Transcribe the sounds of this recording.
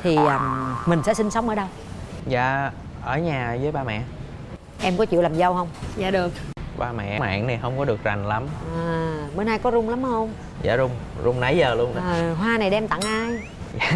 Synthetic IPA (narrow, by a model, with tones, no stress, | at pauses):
t̪ʰi˨˩ʔəː˨˩mmï˨˩ŋ̟sɛ̰˧˥sï˧ŋsə˨˦wŋ͡mʔəː˧˩˦ɗə˧w | za̰ː˧˨ | ʔəː˧˩ɲaː˨˩zəː˨˦jɓaː˧mɛ̰˧˨ | ʔɛ˧mkɔ˨˦t͡ɕḭ˧˨laː˨˩mzə˧whə˧wŋ͡mza̰ː˧˨ɗɨ˨˩ək̚ɓaː˧mɛ̰˧˨ʔa̰ː˧˨ŋni˨˩ɦə˧wŋ͡mkɔ˨˦ɗɨ˨˩ək̚za˨˩jŋ̟la˨˦mʔaː˨˩ɓəː˧nhaː˧jkɔ˨˦zʊ˧ŋ͡mla˨˦mhə˧wŋ͡m | za̰ː˧˩zʊ˧ŋ͡m | zʊ˧wŋ͡mna˨˦jzəː˨˩lu˧ənː˧˨˩ɦwaː˧na˨˩jɗɛ˧mt̪a̰˧˨ŋʔaː˧j | za̰ː˧˨